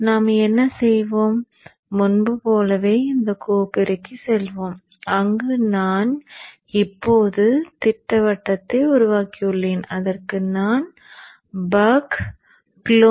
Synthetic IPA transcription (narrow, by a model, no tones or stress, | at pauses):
naːmɛnːɐsɛjʋoːmː | ʊnbɯpoːlɐʋeːɪnd̪ɐkuːpɪɾɐkːɯsɛlʋoːm | ɐŋɡɯnaːn | ɪpːoːðɯt̪ɪʈːɐʋɐʈːɐt̪ːɐʊɾʊʋaːkɪjɯɭːeːnɐðɐrkɯnaːn | bɐːk | plo